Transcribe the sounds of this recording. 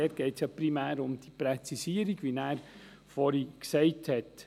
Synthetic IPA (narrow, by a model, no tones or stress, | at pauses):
ɛːɾɡ̥ɛɪtsjɑpɾimæːɾʊmd̥ipɾɛt͡sisiəɾiɡ̥ʋinæːɾ | fɔɾiksɛɪthɛt